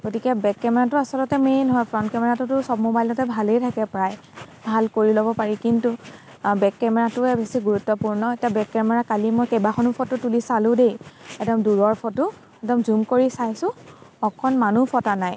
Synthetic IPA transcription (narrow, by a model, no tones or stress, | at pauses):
ɡ̥otikɛbɛkːɛmɛɹatʊasɔlɔtɛmenɔɦɔjpʰɹɔntkɛmɛɹatʊtʊsɔb̚mobajlɔtɛbʱalejtʰakɛpɹaj | bʱalkoɹilobɔpaɹikintʊ | bɛkːɛmɛɹatʊɛbesiɡuɹutːɔpuɹnɔetijabɛkːɛmɛɹakalimɔjkejbaxonupʰɔtːʊtulisalʊ̃dejɛdɔmduɹɔɹpʰɔtʊ | ɛdɔmzumkoɹisajsʊ̃ɔkʰɔnmanupʰɔtanaj